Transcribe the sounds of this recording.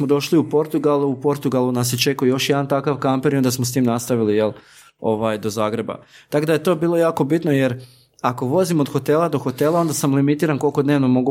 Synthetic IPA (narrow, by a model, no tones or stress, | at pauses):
mod̪o̞ʃliupo̞ɾt̪uɡalˠuupo̞ɾt̪uɡalˠunas̬et͡ʃe̞kujejo̞ʃjɛd̪ant̪akaʋkampeɾiond̪asmost̪iːmnast̪aʋilijelˠ | o̞ʋaːjd̪o̞zaːɡɾe̞ba̰t̪akod̪ajet̪o̞biːlˠo̞jaːko̞bit̪no̞je̞ɾ | ako̞ʋo̞zimod̪xo̞t̪e̞ːlad̪o̞xo̞t̪e̞lˠao̞nd̪asamlimit̪iːɾanko̞lˠko̞d̪ne̞ːʋnomo̞ɡu